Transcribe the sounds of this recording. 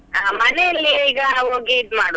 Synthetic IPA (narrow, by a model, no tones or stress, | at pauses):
aːmɐneɐlːiiːɡɐɦoːɡiːd̪maːɽu